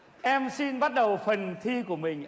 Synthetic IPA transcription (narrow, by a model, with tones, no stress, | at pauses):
ʔɛ˧msi˧nɓa˦˥t̚ɗə˨˩wfə˨˩nt̪ʰi˧ku˧˩əmï˨˩ŋ̟